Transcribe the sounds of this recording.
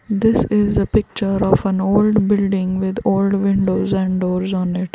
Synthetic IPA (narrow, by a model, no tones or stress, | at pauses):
d̪ɪsɪzəpɪk̚t͡ʃəɾɔːfə̃noːlɖbɪlɖɪ̃ŋɡʋɪd̪oːlɖʋɪ̃ɳɖoːzɛ̃ɳɖɖoːɾzɔ̃ːnɪʈ